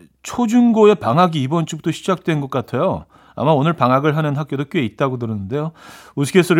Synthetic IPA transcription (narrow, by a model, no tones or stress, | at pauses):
t͡ɕʰod͡ʑuŋɡoe̞paŋɦaɡiːbʌnt͡ɕ͈ubut͈ʰoɕʰid͡ʑak̚t͈wenɡʌk͈atʰejo | a̰maonɯɭpaŋaɡɯɭɦanɯnɦak͈̚odok͈joe̞it̚t͈aɡot̬ɯɾɯnɯnde̞jous̬ʰɡesʰʌɾ